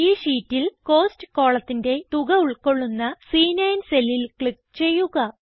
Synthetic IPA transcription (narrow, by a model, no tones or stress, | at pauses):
iːʂiːtːilko̞ːstɨ̥ko̞ːɭɐt̪ːinde̞t̪uɣɐuɭko̞ɭːunːɐsiːnɐjnse̞lilkɭik̚t͡ɕe̞jːuɣɐ